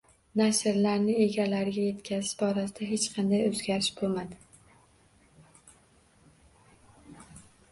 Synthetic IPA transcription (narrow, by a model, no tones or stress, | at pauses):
naʃɪɾlaɾnɪe̞ɡʲalaɾɪɡʲaje̞t̪kʲʰazɪʃbɒɾasɪd̪aɦe̞t͡ʃqʰɑnd̪ajɵzɡʲaɾɪʃbolmad̪ɪ